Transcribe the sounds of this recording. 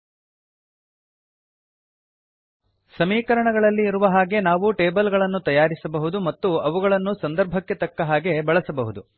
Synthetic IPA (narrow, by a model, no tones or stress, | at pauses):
sɐmiːkɐɾɐɳɐɡɐɭɐlːiːɾuʋɐɦaːɡe̞naːʋuʈeːbɐlɡɐɭɐnːut̪ɐjaːɾisɐbɐɦud̪umɐt̪ːuɐʋuɡɐɭɐnːusɐnd̪ɐɾbʱɐkːe̞t̪ɐkːɐɦaːɡe̞bɐɭɐsɐbɐɦud̪u